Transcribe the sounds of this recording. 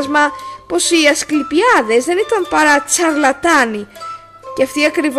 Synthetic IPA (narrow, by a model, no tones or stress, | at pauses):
zmɐpo̞siɐsklipiɐðe̞zðe̞nit̪ɐmpɐɾɐt͡sɐɾlɐt̪ɐni | ceɐft̪iɐkɾiv